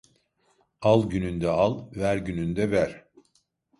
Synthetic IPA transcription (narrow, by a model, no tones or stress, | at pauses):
alˠɟynynd̪ɛalˠvæɾɟynynd̪ɛvæɾ̥